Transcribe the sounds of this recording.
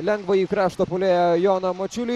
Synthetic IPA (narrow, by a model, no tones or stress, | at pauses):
lʲɛŋɡʋɐiːkɾɑːʃt̪opʊlʲeːjɛjoːnɐmot͡ʃʲʊlʲi